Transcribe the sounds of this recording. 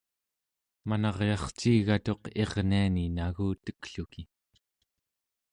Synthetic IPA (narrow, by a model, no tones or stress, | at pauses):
manɑʁjɑχt͡ʃiːɣat̪o̞qe̞ʁnianinaɣuːt̪ə̥kɬuki